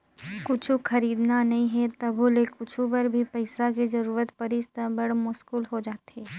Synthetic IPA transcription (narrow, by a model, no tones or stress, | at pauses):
kʊt͡ʃʰuxɐɾiːd̪nanɐɦĩɦɛt̪ɐbʱulekʊt͡ʃʰupɐɾbʱipɐɪsakezɐɾuːɾət̪pɐɾɪst̪ə̃bɐɽmʊʃkuːlɦod͡ʒaːt̪eː